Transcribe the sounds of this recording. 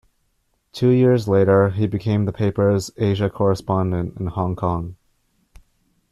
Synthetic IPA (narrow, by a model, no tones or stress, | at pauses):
tʰʉjɪɹzleɪɾə˞ibɨkʰẽɪ̃mðəpʰeɪpə˞zeɪʒɨkʰɔɹəspɑ̃ndɨ̃ntɨ̃n̩hɑ̃ŋkʰɑ̃ŋ